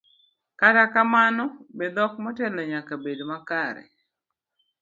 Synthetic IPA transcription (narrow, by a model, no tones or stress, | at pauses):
katakamanɔbed̪ɔkmɔtɛlɔɲakabedmakaɾɛ̰